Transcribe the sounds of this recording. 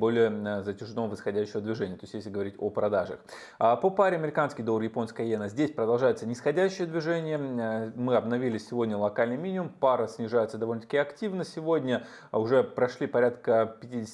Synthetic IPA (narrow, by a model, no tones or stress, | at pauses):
bo̞lʲɪjəzətʲɪʐɨnovɨsxɐdʲæɕːɪvəd̪vʲɪʐɛnʲɪjət̪o̞ɪsʲt̪jesʲlʲɪɡəvɐɾʲitʲopɾɐd̪aʐə̰x | əpopaɾʲɪɐmʲɪɾʲɪkanskʲɪjd̪orjɪpo̞nskəjɐjenəzʲdʲesʲpɾəd̪ɐlˠʐajɪt̪sənʲɪsxɐdʲæɕːɪjəd̪vʲɪʐɛnʲɪjəmɨɐbnɐvʲilʲɪsʲːɪvo̞dʲnʲəlˠɐkalʲnɨjmʲinʲɪʊmpaɾəsʲnʲɪʐajɪt̪səd̪ɐvo̞lʲnət̪ə̥kʲɪɐktʲivnəsʲɪvodʲnʲə | ʊʐɛpɾɐʂlʲipɐɾʲat̪kəpʲɪtʲidʲɪsʲ